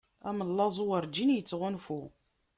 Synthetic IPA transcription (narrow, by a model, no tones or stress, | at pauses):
æ̰məlːɑzˤuwəɾd͡ʒinjət͡sːʁʊnfu